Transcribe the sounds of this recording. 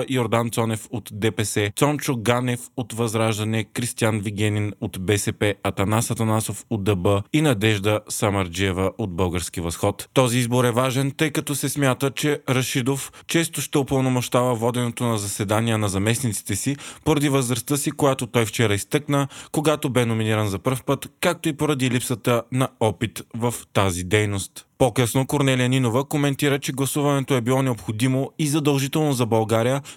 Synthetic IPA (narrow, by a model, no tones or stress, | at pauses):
ioɾd̪ant̪sɔnɛfot̪d̪ɛpɛsɛt̪sɔnt͡ʃoɡanɛfot̪vɐzɾaʒd̪ɐnɛkɾist̪ianviɡɛninot̪bɛsɛpɛɐt̪ɐnasɐt̪ɐnasofod̪ɐbəinɐd̪ɛʒd̪əsɐmɐɾd͡ʒiɛvəʔod̪̚bɤlˠɡəɾsk̟ivɐsxɔt̪t̪ɔziizboɾɛvaʒɛnt̪ɤjkɐt̪ɔsɛsmʲjat̪ət͡ʃɛɾɐʃid̪oft͡ʃɛst̪oʃt̪ɛopəlˠnomoʃt̪avəvɔd̪ɛnot̪onɐzɐsɛd̪anijənɐzɐmɛsnit̪si̥t̪ɛsipoɾɐd̪ivəzɾɐst̪əsikojat̪ot̪ɔjft͡ʃɛɾəist̪ɤknəkoɡat̪obɛnominiɾɐnzɐpɤɾfpɤt̪kak̚t̪oipoɾɐd̪ilipsət̪ənɐɔpit̪vɐft̪azid̪ɛjnost̪pokɤsnokoɾnɛlijəninovəkomɛnt̪iɾət͡ʃɛɡlˠɐsuvɐnɛt̪oɛbilˠɔnɛopxod̪imoizɐd̪ɐlˠʒit̪ɛlˠnozɐbɐlˠɡaɾijə